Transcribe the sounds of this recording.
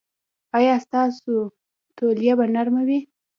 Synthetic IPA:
ɑjɑst̪ɑso | t̪oljabanaɾmawi

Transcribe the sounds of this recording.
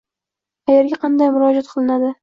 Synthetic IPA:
t̪ʰajeɾɡʲaqʰɑnd̪ajmʊɾɒd͡ʒat̪̚qʰɨlˠɪnad̪ɪ

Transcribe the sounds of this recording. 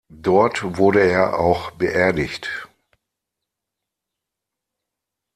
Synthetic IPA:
dɔɐtvʊɐɾəeːɐʔa̰ʊxb̥əʔeːɐdɪçt

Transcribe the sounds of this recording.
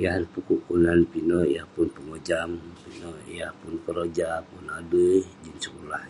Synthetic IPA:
jahnpukuʔkunanpinɔjahpʊnpəŋod͡ʒampinɔjahpunkəɾod͡ʒapunadəd͡ʒinsəkulah

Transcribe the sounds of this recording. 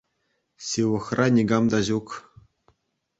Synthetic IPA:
sʲiʋɤ̆χrɑnʲiɡɑmd̪ɑʑuk

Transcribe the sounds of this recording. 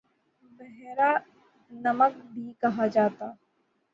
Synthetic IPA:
bɛɦɾa | nɐmək̚bʱikɐɦad͡ʒaːt̪aː

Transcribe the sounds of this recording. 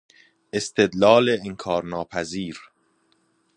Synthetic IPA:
ʔest̪ʰed̪lɒːleeŋkʰɒːɾnɒːpʰæziːɾ

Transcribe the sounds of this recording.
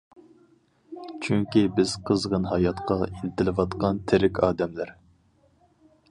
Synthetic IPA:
t͡ʃʰyŋkʲibɪz̥qʰəzʁənɦɑjɑt̪qʰɑilɪt̪ʰɪlɪvɑt̪qʰɑnt̪ʰɪɾɪkʲʰɑːd̪ɛmlæɾ

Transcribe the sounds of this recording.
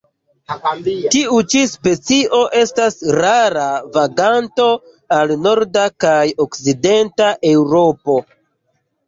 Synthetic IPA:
tiut͡ʃispe̞t͡siʔo̞ʔe̞stasɾaɾavaɡanto̞ | alno̞ɾdakajokside̞ntaʔewɾo̞po̞

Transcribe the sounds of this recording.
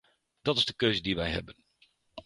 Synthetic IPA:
d̥ɑtɪzdəkøɥzədiʋɛjɦɛ̰bən

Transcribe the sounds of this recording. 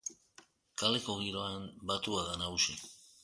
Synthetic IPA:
kale̞ko̞ɣ̞iɾo̞ambat̪uaðanaɣusi

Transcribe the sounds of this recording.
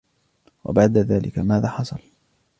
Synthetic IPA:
wa̰baʕd̪aðaːlʔɪkamaːðaːħɑsˤɑl

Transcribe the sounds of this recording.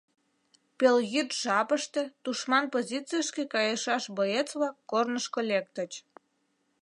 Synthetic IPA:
pelɣyt̪ʒ̥ɑpəʃt̪et̪uʃmɑnpozʲit͡sijəʃkekɑjəʃɑʃbojet͡sβɑkːornəʃkolek̚t̪ət͡ɕ

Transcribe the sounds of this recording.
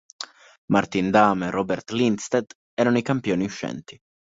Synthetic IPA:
mart̪ind̪aːmerɔbɛrt̪lint̪st̪ed̪ | ɛːɾanoijkampjoːniuʃːɛ̰nt̪i̥

